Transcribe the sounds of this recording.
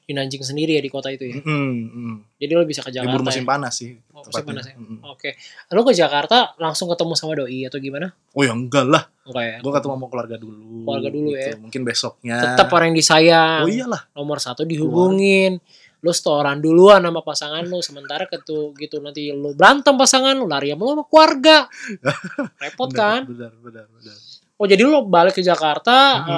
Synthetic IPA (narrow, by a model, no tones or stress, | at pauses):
d͡ʒinaɲd͡ʒɪŋs̬əndiɾijadikot̪ait̪uja | d͡ʒadilobisakəd͡ʒakibuɾumasɪŋpanasɪh | masɪŋpanasaokelokəd͡ʒakart̪alaŋsʊŋkət̪əmusamadoiat̪awɡimana | ojaŋɡalah | ŋkajaɡuakat̪amamɔŋkəluarɡaduluəluarɡadulujaamuŋkɪnbesɔk̚ɲaət̪əpoɾɛŋdisajaoijalahnomɔrsat̪udiɦubuŋɪn | losə̥t̪oːɾanduluanamapasaŋanlosəmənt̪aɾakət̪uɡit̪unant̪ilobɾant̪əmpasaŋanlolaɾiamaloamakluarɡa | repɔkanbənərbənərbənə | od͡ʒadilobalɪkːəd͡ʒakart̪a